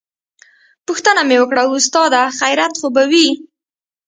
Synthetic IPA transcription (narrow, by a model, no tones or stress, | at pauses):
pʊxt̪ənamewəkɽaust̪ɑd̪axajɾat̪xobawi